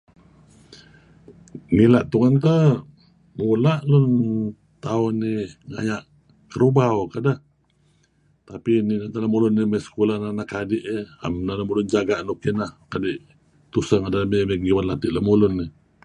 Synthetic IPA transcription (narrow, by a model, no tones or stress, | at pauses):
ŋilaʔt̪uŋant̪̬ə | mulaʔlun | t̪aʊnːiŋa̰jaʔ | kəɾubawkadah | t̪apininat̪alamulʊnːimajsə̥kulananaʔkadɪʔa̰mnalamulʊnd͡ʒaɡaʔnukinahkadɪʔ | t̪usəŋadalameməɡiwanlat̪ɪʔlamulʊnːi